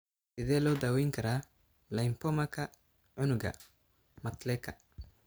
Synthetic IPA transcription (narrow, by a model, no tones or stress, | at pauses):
sɪðɛːlɔːd̪aːwɛːjŋkʰɐɾaː | lɐjmpɔmɐkʰɐ | ʕʊnʊɡɐ̰ | mɐt̪lɛːkʰɐ